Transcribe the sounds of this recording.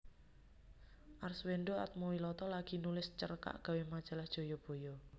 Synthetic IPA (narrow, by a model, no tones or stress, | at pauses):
ʔarsweɳɖoa̰t̪̚mowilɔt̪ɔlaɡ̥i̤nulɪst͡ʃərka̰ʔɡ̥ä̤wemad̥ʒ̥a̤lahd̥ʒ̥o̤jɔb̥o̤jɔ